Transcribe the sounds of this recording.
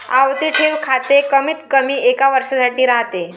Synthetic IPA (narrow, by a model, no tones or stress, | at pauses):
a̰ʋt̪iːʈʰeʋkʰat̪ekəmiːt̪kəmiːekaʋəɾʂasaʈiːɾaɦt̪e